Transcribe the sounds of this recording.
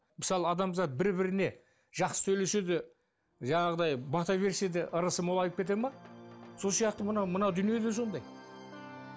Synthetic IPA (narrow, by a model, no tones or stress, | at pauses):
mɪsɑlˠəɑd̪ɑmzɑt̪̚bɪɾbɪɾɪne̞ | ʒ̥ɑqsə̥t̪ʰɵle̞ʃed̪ɪ | ʒɑɴɑʁəd̪ɑjbɑt̪ɑve̞ɾsed̪eʔəɾəsəmolˠɑjt̪əpkʲet̪e̞mɑso̞lˠsijɑq̚t̪əmənɑwmənɑwd̪ʏnije̞d̪e̞so̞nd̪ɑj